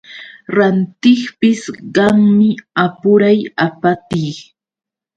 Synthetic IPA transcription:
ɾant̪ɪχpɪsɢɑŋmɪapʊɾajapat̪iː

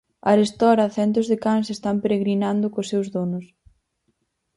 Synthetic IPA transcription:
ɐɾest̪ɔɾɐθɛnt̪ʊzðekansest̪ampeɾeɣɾinand̪ʊkosewzðonʊs

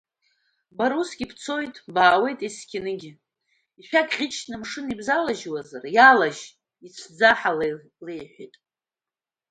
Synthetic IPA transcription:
baɾusɡʲipʰt͡sʰo̞jtʼbaːwe̞jtʼiskʲʰɪnɨɡʲɪ | iʃʷᶣaɡʼʁʲɪt͡ʃʰnɨmʂɨnibzalaʒwazarjalaʒ | it͡sʷʰd͡zaħal | lejħʷitʼ

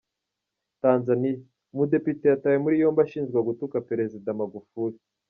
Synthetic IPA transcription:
taːnzanija | mude̞pite̞jatawemuɾijo̞ːmbaʃiːnzɡwaɡutukape̞ɾe̞zidamaɡufuɾi

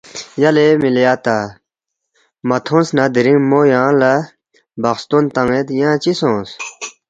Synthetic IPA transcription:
jalemiljat̪a | mat̪ʰõnsnad̪iɾiŋmojãla | baχst̪ont̪aŋet̪jãt͡ɕisõs

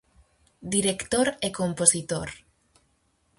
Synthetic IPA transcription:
d̪iɾekt̪oɾekomposit̪oɾ

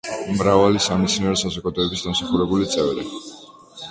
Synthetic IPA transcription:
mɾavalisamit̪sʰniɾɔsazɔkʼad̪ʼɔːbisd̪amsaχuɾɛbulit̪sʼɛvɾḭ

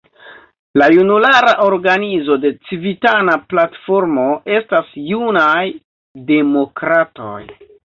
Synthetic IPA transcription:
lajunulaɾaʔo̞ɾɡanizo̞de̞t͡sivitanaplatfo̞ɾmo̞ʔe̞stasjunaj | de̞mo̞kɾato̞̰j

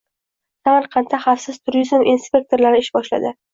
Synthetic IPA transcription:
samaɾqʰɑnt̪ʰaχafsɪz̥t̪ʰʊɾɪzmʔinspʲe̞k̚t̪ʰo̞ɾlaɾɪɪʃbɒʃla̰d̪ɪ

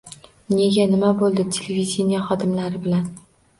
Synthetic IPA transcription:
ne̞ɡʲanɪmabolˠd̪ɪt̪ʲʰelevid̪ʲenijaχɒd̪ɪmlaɾɪbɪlan

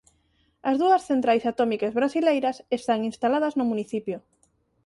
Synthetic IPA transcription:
ɐzðuɐsθent̪ɾajsat̪ɔmikazβɾasilejɾɐsest̪aŋinst̪alað̞ɐznʊmuniθipjo

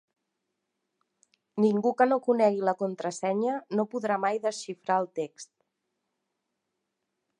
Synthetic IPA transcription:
niŋɡukənokunɛɣiləkunt̪ɾəsɛɲənopuðɾamajðəsʃifɾaəlˠt̪ekst̪

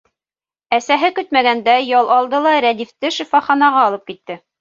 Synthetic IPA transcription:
æsæɦɘkɵt̪mæɡænd̪æjɑlˠʔɑlˠd̪ɤlˠɑɾæd̪ift̪ɘʃɘ̆fɑχɑnɑʁɑːlˠɤp̚kit̪ːɘ

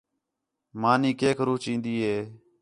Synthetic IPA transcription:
maːniːkeːkʰɾuːt͡ʃĩːnd̪iːɦeː

